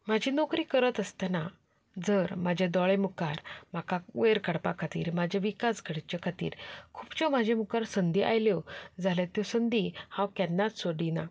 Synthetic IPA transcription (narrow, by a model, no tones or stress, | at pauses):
mad͡ʑʱinɔkɾiːkəɾət̪əst̪ana | d͡zəɾmad͡ʑʱed̪ɔɭemukaɾm̤akaʋeɾkəɽpa̰kʰat̪ḭːɾmad͡ʑʱaʋikasɡʱəɽt͡ɕjɔkʰat̪ḭːɾkʰupt͡ɕɔmad͡ʑʱẽmukaɾsənd̪iʔa̰jljɔd͡zʱalet̪jɔ̃sənd̪ihãwkɛnːat̪soɽina